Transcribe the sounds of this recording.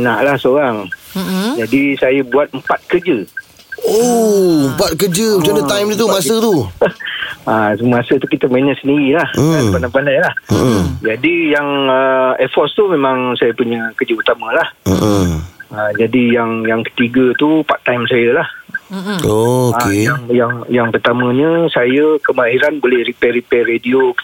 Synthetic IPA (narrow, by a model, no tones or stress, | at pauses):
naʔlahsəoɾaŋ | d͡ʒadisajəbuat̪̚əmpat̪̚kəd͡ʒə | ompat̪̚kəd͡ʒət͡ʃadət̪ajmdit̪umasət̪u | asəməasət̪ukit̪əməɲəsəndiɾilahapandajpandajlahd͡ʒadijaŋəɛfɔst̪umẽmãŋsajəpuɲəkəd͡ʒəut̪amə̃lah | əd͡ʒadijaŋjaŋkə̥t̪iɡət̪upaʔ̚t̪ːajmsajəlah | oakejaŋjaŋjaŋpərt̪amə̃ɲəsajəkəmaɦiɾanbolɛhɾipɛɾipɛredio